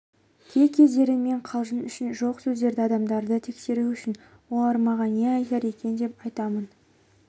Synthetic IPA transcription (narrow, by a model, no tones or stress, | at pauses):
kʲʰe̞kʲʰe̞zd̪e̞ɾɪme̞ɴqʰɑlˠʒənʏʃɪnʒo̞qsɵzd̪e̞ɾd̪ɪɑd̪ɑmd̪ɑɾd̪ət̪ʰe̞kse̞ɾuʏʃɪn | wo̞lˠɑɾmɑʁɑneɑjt̪ɑɾe̞kʲe̞nd̪e̞pɑjt̪ɑmən